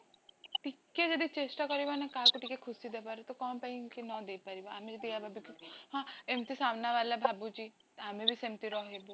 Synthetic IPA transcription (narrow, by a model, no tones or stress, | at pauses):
ʈikːed͡ʒɔd̪it͡ʃesʈakɔɾibanakaɦkuʈikekʰʊsid̪epaɾet̪okɔːmpaikinɔd̪epaɾibaamed͡ʒid̪ijabʱabukiɦãemt̪isamnaʋalabʱabud͡ʒi | amẽbʱisemt̪iɾɔɦebo